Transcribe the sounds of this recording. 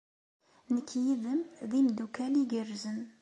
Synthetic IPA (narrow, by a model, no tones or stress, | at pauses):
nəkʰːjiðəmðimd̪ukæliɡərːzən